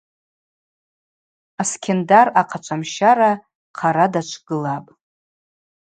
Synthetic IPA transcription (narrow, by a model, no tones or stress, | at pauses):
askʲʰendaraqʰat͡ʃʷʰamʃaɾa | qʰaɾadat͡ʃʷʰɡ̥ɨlapʼ